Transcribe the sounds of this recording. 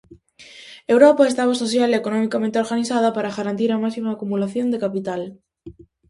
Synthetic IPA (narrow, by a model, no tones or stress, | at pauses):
ewɾopaest̪aβ̞asoθjaleekonɔ̃mikamẽnt̪eoɾɣaniθað̞apaɾaɣaɾant̪̬iɾamasimaːkumulaθjond̪ekapit̪al